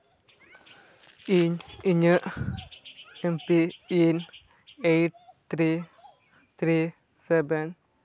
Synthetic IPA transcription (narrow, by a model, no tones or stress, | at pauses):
iɲiɲə | empiin | ejʈ̚t̪ʰɾi | t̪ʰɾi | seben